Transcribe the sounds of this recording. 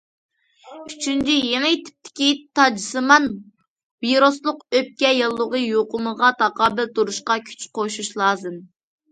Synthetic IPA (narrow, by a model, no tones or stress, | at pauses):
yt͡ʃʰynt͡ʃʰijeŋɪt̪ʰɪ̥p̚t̪ʰɪ̥kʲit̪ʰɑd͡ʒɨsɨmɑn | viɾoslˠʊqøp̚kʲɛjɑlˠːəʁəjoqʊməʁɑt̪ʰɑqɑːbɨlt̪uɾuʃqɑkʲʰy̥t͡ʃqoʃuʃlˠɑːzɨm